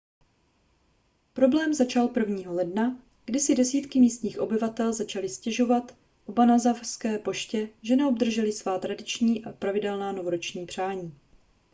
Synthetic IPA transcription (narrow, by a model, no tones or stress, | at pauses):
pɾo̞blɛːmzat͡ʃalpr̩vɲiːɦo̞lɛdna | ɡ̥dɪsɪdɛsiːt̪kɪmiːst̪ɲiːxʔo̞bɪvat̪ɛlzat͡ʃalɪscɛʒo̞vat̪ | ʔobanazafskɛːpo̞ʃcɛʒɛnɛobd̪r̩ʒɛlɪsvaːt̪ɾadɪt͡ʃɲiːʔapɾavɪdɛlnaːno̞vo̞ɾot͡ʃɲiːpr̝̥aːɲiː